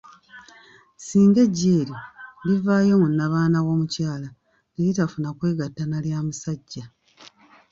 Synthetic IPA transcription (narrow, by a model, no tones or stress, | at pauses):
siːŋɡe̞ɟːeːɾjodivaːjo̞munːaβaːnawo̞ːmucaːla | ijitafunakwe̞ːɡatːanaljaːmusaɟːa